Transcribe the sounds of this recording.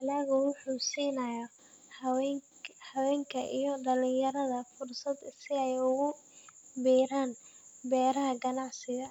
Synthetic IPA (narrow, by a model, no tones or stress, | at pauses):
ɐlɐːɣʊwʊħuːsiːnɐjɐ | wɛ | hɐwɛːŋkʰɐʔḭjɞɖɐlɪ̃jɐɾɐðɐfʊrsɐd̪sɪɛjʊɣʊbiːɾaːnbɛːɾɐɦɐɡɐnɑʕsɪɣɐ